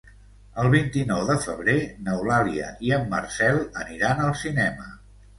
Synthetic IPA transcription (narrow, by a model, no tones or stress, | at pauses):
əlˠβint̪inɔwðəfəβɾenəwlaliə̰iəmːərsɛlˠəniɾanəlˠsinɛmə